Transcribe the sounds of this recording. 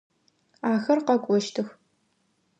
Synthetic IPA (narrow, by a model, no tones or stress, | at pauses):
aːxɐrqɐkʷʼɔʃtʰɨx